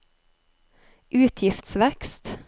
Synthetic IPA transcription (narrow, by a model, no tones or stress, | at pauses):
ʔʉːt̪ʰjɪft̪sʋɛkst̪